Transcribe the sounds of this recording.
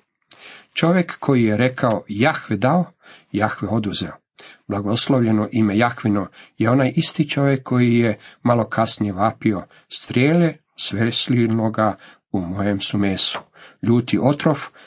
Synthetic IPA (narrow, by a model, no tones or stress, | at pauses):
t͡ʃo̞ʋje̞kːo̞jijeɾe̞kʰaojaxʋed̪aojaxʋeo̞d̪uzeo | b̥lˠaɡo̞slˠoʋʎe̞noʔime̞jaxʋinojeo̞najʔist̪it͡ʃo̞ʋjekʰːo̞jijemalo̞kʰasnijeʋaːpio̞ | st̪ɾʲjeːle | sʋeslinoɡa | umo̞je̞msumeːsu̥ | ʎuːt̪iʔo̞t̪ɾof